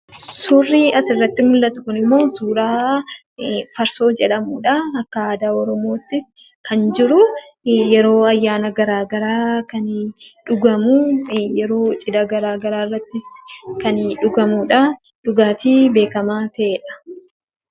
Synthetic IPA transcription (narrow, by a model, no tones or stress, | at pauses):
suːrːiːɐsɪrːɐt̪ːɪmʊlːɐt̪ʊ̥kʊnɪmːo̞ːsuːɾaː | fɐɾso̞ːd͡ʒɛᶑɐmuːᶑɐːkːɐaːd̪aːɔɾɔmo̞ːt̪ːɪs | kɐnd͡ʒɪɾʊ | jɛɾo̞ːɐjːaːnɐɡɐɾaːɡɐɾaːkɐnᶑʊɡɐmujɛɾo̞ːt͡ʃʼɪd̪ɐɡɐɾaːɡɐɾaːɪrːɐt̪ːɪskɐnᶑʊɡɐmuːᶑɐ | ᶑʊɡaːt̪iːbe̞ːkɐmaːt̪ɐʔeːᶑɐ̥